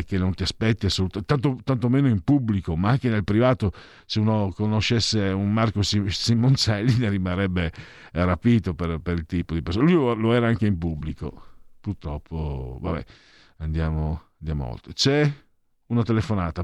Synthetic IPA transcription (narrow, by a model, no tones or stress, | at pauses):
k̟enːont̪iaspɛt̪ːiasːolut̪t̪ant̪ot̪ant̪omeːnoimpubːlikomaaŋkenelpɾivaːt̪o | seunokonoʃːesːeunmarkosisimont͡ʃɛlːinerimanɾɛbːe | rapiːt̪operpeɾilt̪iːpod̪ipeɾrsoːnlujloɛːɾaaŋkeimpubːliko̰purt̪ɾɔpʰːova̰bɛ̰ | and̪jaːmoand̪ja̰ːmo̰o̰lt̪ɾet͡ʃɛ | unat̪elefonaːt̪a